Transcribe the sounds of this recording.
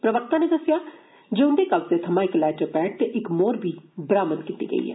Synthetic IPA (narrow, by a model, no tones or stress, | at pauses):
pɾəʋək̚t̪ãːneːd̪əsjaː | d͡ʒeːʊnd̪eːkəlt̪et̪ʰəmãːɪklɛːʈəpɛːʈɪkmoːɾbʱiːbɾaːmənkɪt̪ːḭːɡə̰ḭːɦɛ̰ː